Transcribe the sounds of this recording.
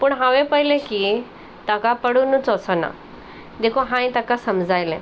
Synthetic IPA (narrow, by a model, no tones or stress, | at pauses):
puɳɦãʋẽpəɦilẽki | t̪akapəɽunũt͡sɔsəna̰ | d̪ekʰoɦãĩt̪akasəmd͡zʱajlɛ̃